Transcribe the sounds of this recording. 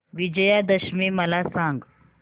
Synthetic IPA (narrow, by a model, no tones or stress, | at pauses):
ʋid͡ʑəjad̪əɕmiːməlasãŋɡ